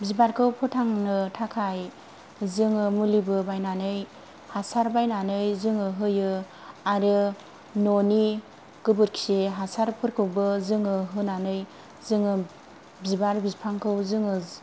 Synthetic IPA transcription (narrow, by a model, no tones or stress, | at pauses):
bzibaɾkʰɯwpʰɔtʰaŋnɯtʰakʰaj | zɯŋɯmulibɯbajnanɯj | hasaɾbajnanɯjzɯŋɯɦɯjɯ | aɾɯ | noni | ɡ̥ɯbɯɾkʰi̥seɦasaɾpʰɯɾkʰɯwbɯzɯŋɯɦɯnanɯj | zɯŋɯ | bzibaɾbizpʰaŋkʰɯwzɯŋɯ